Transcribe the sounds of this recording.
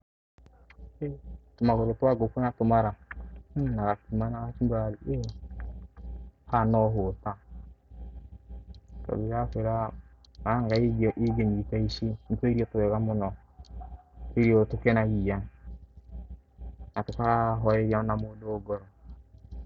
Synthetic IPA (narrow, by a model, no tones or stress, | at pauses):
etomaɣoɾotwaɡokuonatomaɾa | naɣakimanaɣakimbaaɾie | hanɔɦota | ta̰βiɾakeɾa | aŋɡaiɡʔiɡeɲitaiʃin̩toiɾiɔtoβɛɣamonɔ | eɾiotokenaɣia | natokaɣaɦɔeɾanamoːdoːɡɔɾɔ